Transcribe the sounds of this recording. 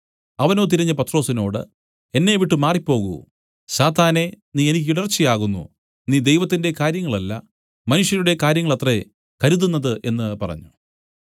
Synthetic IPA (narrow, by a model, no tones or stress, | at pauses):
ɐʋɐno̞ːt̪̬iɾɐɲːɐpɐt̪ːro̞ːsino̞ːɽɨ̰ | e̞nːe̞ʋiʈːɨmaːripːo̞ːɣṵ | ɕaːt̪aːne̞niːe̞nikʲːiɽɐrt͡ɕːijaːɣunːṵ | niːd̪e̞jʋɐt̪̬ːinde̞kaːɾjɐŋːɐɭɐlːɐ̰ | mɐnuʂjɐɾuɽe̞kaːɾjɐŋːɐɭɐt̪re̞ | kɐɾuðunːɐðɨʔe̞nːɨpɐ̰rɐ̰ɲːu